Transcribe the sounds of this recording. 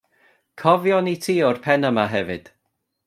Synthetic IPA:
kʰɔvjɔnitʰiːɔrpʰɛnəmaɦɛvɨd̥

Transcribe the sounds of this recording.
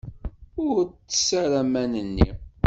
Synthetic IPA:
ʊɾt͡sːə̥sæɾæmænənːḭ

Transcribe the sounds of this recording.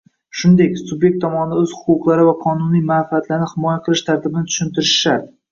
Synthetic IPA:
ʃʊnd̪ekʲsʊbje̞k̚t̪ʰːɒmɒnɪaɵz̥hʊ̥qʊqlˠaɾɪvaqʰɒnʊnijmafɪat̪laɾnɪhɪmɒjaqʰɨlˠɪʃt̪ʰaɾt̪ʰɪbɪnɪt̪ʰʊ̥ʃʊnt̪ʰɪɾɪʃʃaɾ

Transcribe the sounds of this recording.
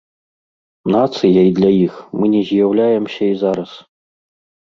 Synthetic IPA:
nat̪sɨjɐjd̪lʲajixmɨnʲɛzʲjawlʲajɛmsʲɐizaɾɐs

